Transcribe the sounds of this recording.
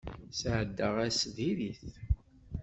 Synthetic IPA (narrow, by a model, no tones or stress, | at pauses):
sʕəd̪ːəʁæsðiɾiθ